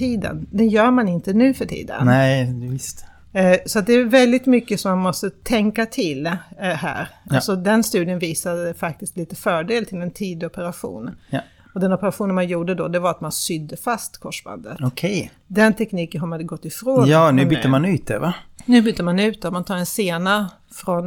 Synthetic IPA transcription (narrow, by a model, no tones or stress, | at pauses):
iːd̪ə̰nd̪ɛnjœːɾmanɪnt̪ənʉ̟ːfœʈʰḭːd̪ə̰nɛd̪vɪst̪ | sɔat̪̚d̪ɛːvɛld̪ɪt̪mʏkːəsɔmːanmɔst̪ət̪ʰɛŋkat̪ʰɪlɦæ̰ːɾasɔd̪ɛnst̪ʉ̟ːd̪ɪənviːsad̪əfak̚t̪ɪst̪liːt̪əfœːɖeːlt̪ʰɪlɛnt̪ʰiːd̪ɔpəɾaɧṵːn | ɔd̪ɛnɔpəɾaɧuːnənmanjuːɖəd̪ɔd̪ɛvaɾat̪mansʏd̪ːəfast̪kʰɔʂba̰nd̪ət̪ɔkʰɛj | d̪ɛnt̪ʰɛkniːkənɦamad̪əɡɔt̪ːɪfɾoːj̪ɑːnʉːʏt̪ːəmanʉːt̪̚d̪ɛ̰vanʉ̟ːbʏt̪ːəmanʉ̟ːt̪̚d̪ɛɔmant̪ʰɑːɾɛnseːna | fɾɔn